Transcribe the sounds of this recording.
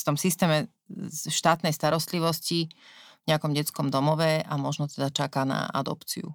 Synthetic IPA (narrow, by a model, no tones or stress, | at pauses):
ft̪ɔmsist̪ɛːmɛ | ʃt̪aːt̪nɛjst̪aɾɔst̪liʋɔscivɲɛakɔmɟɛt͡skɔmd̪ɔmɔʋɛamɔʒnɔt̪ɛd̪at͡ʃakana̰ʔa̰d̪ɔ̰pt͡sḭṵ